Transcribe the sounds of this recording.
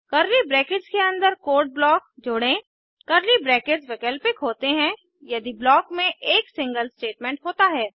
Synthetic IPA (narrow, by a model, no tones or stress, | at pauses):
kɐɾlibɾɛːkɪd͡ʒkeɐ̃nd̪əɾkoːɾʈ̚blɔːkd͡ʒʊɽẽ | kɐɾlibɾɛːkɪd͡ʒʋɛkəlpɪkɦoːt̪eɦɛ̃ | jɐd̪iblɔːkmẽʔeːksɪ̃ŋɡəlsʈeːʈmɛ̃ɳʈɦoːt̪aɦɛː